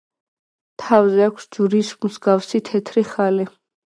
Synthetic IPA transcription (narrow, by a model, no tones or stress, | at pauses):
t̪ʰavzɛakʷʰsd͡ʒuɾismusɡafsit̪ʰɛt̪ʰɾiχali